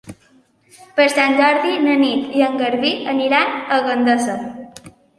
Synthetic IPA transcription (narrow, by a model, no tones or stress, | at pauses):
pəɾsanʲd͡ʒɔɾðinənit̪iəŋɡəɾβiəniɾanəɣənd̪əsə